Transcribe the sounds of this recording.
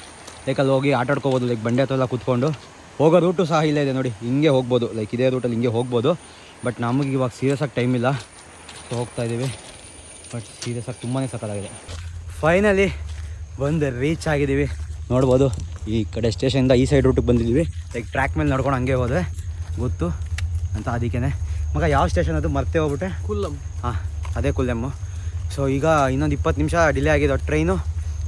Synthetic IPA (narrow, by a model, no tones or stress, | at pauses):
lɐjkɐlɦoːɡiaːʈaːɽkoboːd̪ulɐjk̚bɐɳɖeɐt̪ːɐʋɛlːɐkut̪ko̞ɳɖu | hoːɡoɾuːʈus̬ɐɦɐilːɐid̪eno̞ːɽiiŋɡe̞ɦo̞ːɡ̚bo̞ːd̪ulɐjkid̪e̞ːɾuːʈɐlːiŋɡe̞ɦo̞ːɡ̚bo̞ːd̪u | bɐʈnɐmɡiːʋaːɡsiːɾijɐsaːɡ̚ʈɐjmilːɐ | soːɦoːɡ̚t̪aːjid̪iːʋi | bɐʈsiːɾjɐsaːɡ̚t̪umbane̞ːsɐkad̪aːɡid̪epʰɐjnɐli | ʋond̪uɾiːt͡ʃaːɡid̪iʋinoːɽboːd̪uiːkɐɽesʈe̞ːʃɐnind̪ɐiːsɐjɖɾuʈːuk̚bɐnd̪id̪iʋilɐjk̚ʈɾaːkmeːlnɐɽkoɳɦɐŋɡeboːd̪uʋeɡot̪ːuɐnt̪ɐːd̪ikːenemɐɡɐjaːʋsʈe̞ːʃɐnɐd̪umɐɾt̪ːeɦoɡbiʈɾekulɐmɦaːɐd̪eːkulːɐmu | soːiːɡɐinːond̪ipːɐt̪ːnimʃɐɖilːeaːɡid̪eɔʈɾɐjnu